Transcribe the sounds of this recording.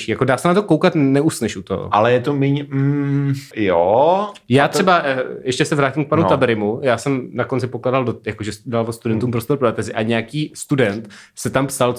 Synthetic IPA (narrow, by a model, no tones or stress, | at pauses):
ʃiːjakodaːsɛnat̪okowkat̪nɛusnɛʃʔut̪oɦo̰ʔa̰lɛjɛt̪omɪɲm̩ | jojaːt̪rʃɛbajɛʃcɛsɛvɾaːcimk̚panunabɛɾɪmujaːsɛmnakont͡sɪpoklaːdaldojakoʒɛst̪udalvost̪udɛnt̪uːmpɾost̪oɾpɾoɛt̪ɛzɪʔaɲɛakiːst̪udɛnt̪sɛt̪ampsal